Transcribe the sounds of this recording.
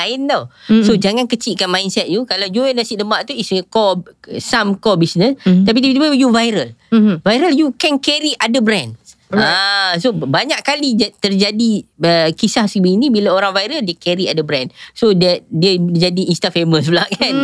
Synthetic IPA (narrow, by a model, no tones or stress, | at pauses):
aɪnt̪awsod͡ʒaŋankət͡ʃiʔkanmãjnsɛt̪̚d͡ʒukalawd͡ʒuənasiʔdəmbaʔt̪uiskɔsamkɔbisnə̃st̪ap̬it̪iit̪iajuvajɾəlvajɾəljukɛnkɛɾiʔadəbɾɛ̃nasobaɲaʔkalid͡ʒat̪ərd͡ʒadiəkisahsəkəbiːnibilaoɾaŋvajɾəldiəkɛɾiadəbɾɛnsodət̪̚diəd͡ʒadiːnst̪afeməs̬bəlaʔkan